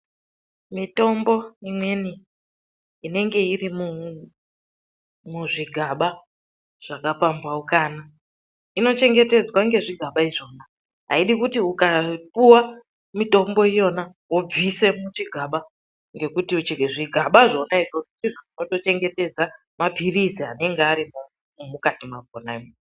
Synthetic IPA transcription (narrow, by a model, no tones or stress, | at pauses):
mito̞mbo̞imwe̞ni | ine̞ŋɡe̞irimu | muʐiɡʱaɓa | ʐ̥akapambaukaːna | ino̞t͡ʃe̞ŋɡe̞te̞d͡zwaŋɡe̞ʐiɡʱaɓaiʐo̞ːna | ɦa̰iɗikutiukapuwa | mito̞mbo̞ijo̞na | wo̞b͡vise̞mut͡ʃiɡʱaɓa | ŋɡe̞kutiut͡ʃiʐiɡʱaɓaʐo̞naiʐoʐutiʐoʐino̞to̞t͡ʃe̞ŋɡe̞te̞d͡za | mapiriziane̞ŋɡeaɾimu | mumukatimaɡ̚ʱonam